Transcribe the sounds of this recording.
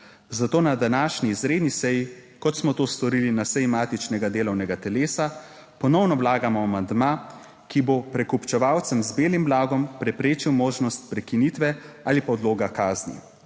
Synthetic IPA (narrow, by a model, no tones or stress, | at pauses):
zat̪oːnad̪anaːʃniːzɾeːd̪nisɛjikɔt̪smɔt̪oːst̪ɔɾilinasɛjimaːt̪it͡ʃnɛɡad̪eːlɔwnɛɡat̪ɛleːsa | pɔnɔwnɔwlaːɡamɔamand̪maː | kibopɾɛkupt͡ʃɛʋawt̪sɛmzbeːlimblaːɡɔmpɾɛpɾeːt͡ʃiwmoːʒnɔst̪̚pɾɛkinit̪ʋɛaːlipaɔd̪loːɡakaːznḭ